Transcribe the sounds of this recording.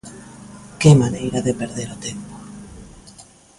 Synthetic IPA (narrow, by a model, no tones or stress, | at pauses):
kemanejɾaðepeɾðeɾot̪empo̥